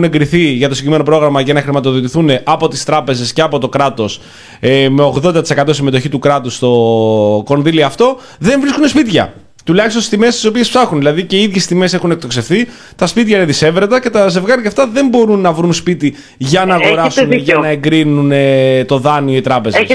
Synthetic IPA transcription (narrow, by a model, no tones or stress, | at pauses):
ne̞ŋɡɾiθiʝɐt̪osiɟime̞no̞pɾoɣɾɐmɐʝɐnɐxɾimɐt̪o̞ðot̪iθune̞ʔɐpo̞t̪ist̪ɾɐpe̞ze̞sce̞ɐpo̞t̪o̞kɾɐt̪o̞s | me̞o̞ɣðo̞nd̪ɐt̪ise̞kɐt̪o̞simet̪o̞çit̪ukɾɐt̪ust̪o̞ko̞nðiliɐft̪o̞ | ðe̞ɱvɾiskunespit̪çɐ̰ | t̪ulɐçist̪ost̪ime̞st̪i̥so̞piespsɐxunðilɐðice̞iðʝe̞sst̪ime̞se̞xune̞k̚t̪o̞kse̞fθi | t̪ɐspit̪çɐineðise̞vɾet̪ɐce̞t̪ɐze̞vɣɐɾɐft̪ɐðe̞mbo̞ɾunːɐvɾunspit̪i | ʝɐnɐːɣoɾɐsunʝɐnɐeŋɡɾinunet̪o̞ðɐnio̞it̪ɾɐpe̞zes